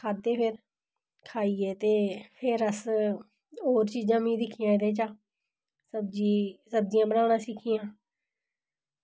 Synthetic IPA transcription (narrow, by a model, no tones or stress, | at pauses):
kʰaːd̪ːeːpʰɪɾ | kʰaːiːeːt̪eːpʰɪɾəs | oːɾt͡ʃiːzãːmĩːd̪ɪkʰːɪjãːɪt̪eːt͡ʃaː | səb̚d͡ʒiːsəb̚d͡ʒɪjãːbənaːnãːsɪkʰːijãː